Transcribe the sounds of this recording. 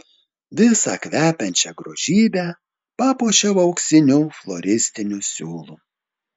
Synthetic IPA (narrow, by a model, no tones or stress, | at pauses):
ʋʲɪsɑ̰kʋʲæːpʲɛnʲt͡ʃʲɛɡɾoːʒ̥ʲiːbʲæː | pɑːpoːʃʲɛʊɐʊksʲɪnʲuːflˠɔɾʲɪsʲt̪ʲɪnʲusʲuːlˠu